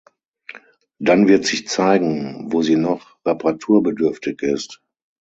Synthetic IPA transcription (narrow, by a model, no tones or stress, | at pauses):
d̥anvɪɐtz̥ɪçt͡saɪɡŋ̩voːziːnɔχ | ʁɛpəʁatʰuːɐbədʏɐftʰɪçɪst